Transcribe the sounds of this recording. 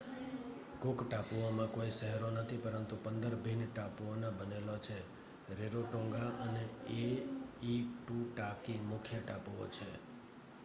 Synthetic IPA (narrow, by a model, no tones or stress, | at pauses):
kʊkʈapuomãkoisəɦɛɾonət̪ʰipəɾənt̪upənd̪əɾbʱinʈapuonãbənelot͡ʃʰe | ɾeɾoʈõŋɡaəneeiʈuʈakimʊkʰjəʈapuo̰t͡ʃʰe